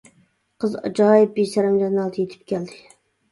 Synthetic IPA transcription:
qʰəzɑ̰d͡ʒɑːjɪp̚besɛɾɛmd͡ʒɑnɑlˠd̪ʰjet̪ʰɪ̥p̚kʲʰɛld̪ɪ

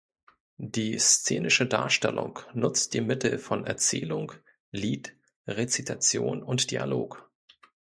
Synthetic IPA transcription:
d̥iːst͡seːnɪʃəda̰ːɐʃtɛlʔʊ̰ŋknʊt͡st̚d̥iːmɪtl̩fɔnɛɐt͡sɛːlʊŋ | liːt | ʁet͡sitʰat͡sjoːnʊntd̥ia̰loːk

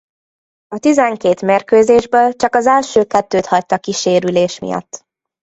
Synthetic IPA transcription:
ɒt̪izɛŋkeːt̪merkøːzeːʒbøːlt͡ʃɒkɒzɛlʃøːkɛt̪ːøːt̪hɒct̪ɒkiʃeːɾyleːʃmḭjɒ̰t̪ː

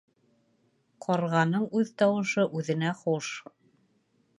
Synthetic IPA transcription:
qʰɒɾʁɑnɤɴʉðt̪ɑwɤ̆ʃɤʔʉðɘ̆næχuʃ

